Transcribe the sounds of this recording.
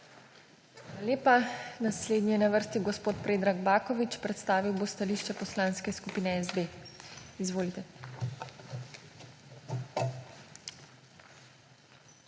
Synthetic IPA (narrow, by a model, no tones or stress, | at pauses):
xaːlalʲeːpanasleːd̪nijɛnaʋəɾst̪iɡɔspoːt̪pɾeːd̪ɾaɡbaːkɔʋit͡ʃpɾɛt̪st̪aːʋiwbost̪aliʃt͡ʃɛpɔslãnskɛskupiːnɛɛzd̪e | izʋoːlit̪ɛ